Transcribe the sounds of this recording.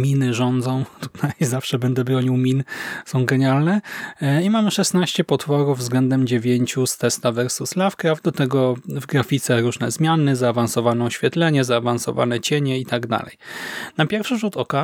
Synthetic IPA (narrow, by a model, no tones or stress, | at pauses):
mʲinɘʐɔnd̪zɔ̃w̃t̪u̥t̪ʰajzafʂɛbɛnd̪ɛbɾɔɲiwmʲinsɔ̃w̃ɡɛɲalnɛimamɘʂɛsnaɕt͡ɕɛpɔt̪fɔɾuvvzɡlɛnd̪ɛmd͡ʑevʲjeɲt͡ɕust̪ɛst̪avɛɾsuslafkɾavd̪ɔt̪ɛɡɔvɡɾafʲit̪sɛɾuʐnɛzmʲjanɘzaːvansɔvanɛɔɕfʲjɛt̪lɛɲɛzaːvansɔ̰va̰nɛt͡ɕɛɲɛit̪aɡd̪a̰lɛ̰jnapʲjɛɾfʂɘʐut̪ɔka